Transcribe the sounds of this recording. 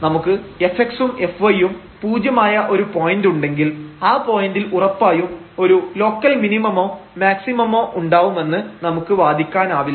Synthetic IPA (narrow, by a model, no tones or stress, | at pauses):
nɐmukːɨe̞feksume̞fʋɐjum | puːd͡ʑjɐmaːjɐʔo̞ɾupoːjinduɳɖe̞ŋɡilaːpo̞ːjindilurɐpːaːjum | o̞ɾulo̞ːkːɐlminimɐmo̞ːmaːksimɐmo̞ːʔuɳɖaːʋume̞nːɨnɐmukːɨʋaːd̪ʱikʲːaːnaːʋilː